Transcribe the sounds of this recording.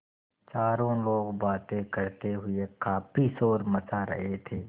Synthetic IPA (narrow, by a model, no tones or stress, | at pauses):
t͡ʃaːɾõloːɡbaːt̪ẽkəɾt̪eɦʊekaːpʰisoːɾmət͡ʃaɾə̰ɦet̪ʰeː